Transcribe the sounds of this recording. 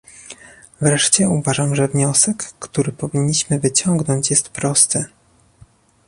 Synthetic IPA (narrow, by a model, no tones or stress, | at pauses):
vɾɛʂt͡ɕɛuvaʐamʐɛvɲɔsɛkːt̪uɾɘpɔvʲiɲːiɕmɘvɘt͡ɕɔŋɡnɔɲt͡ɕjɛst̪pɾɔst̪ɘ